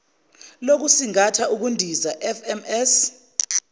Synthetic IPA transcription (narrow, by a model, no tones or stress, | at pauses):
lok̬usiŋatʰaʔuk̬undʱizaʔɛfɛmɛs